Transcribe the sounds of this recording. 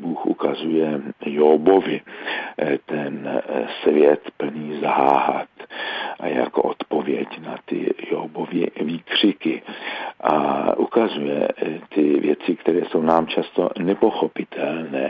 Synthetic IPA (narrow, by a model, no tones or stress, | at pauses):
buːxʔṵkazujɛjobovɪ | t̪ɛnsvjɛt̪pl̩ɲiːzaɦaːɦa̰t̪ | ja̰ko̞̰ʔo̞t̪povjɛcnat̪ɪ̰joːbovɪviːkr̝̥ɪkɪʔa̰ʔukazujɛ̰t̪ɪvjɛt͡sɪkt̪ɛɾɛːso̞wnaːmt͡ʃast̪o̞̰nɛpo̞xopɪt̪ʰɛlnɛː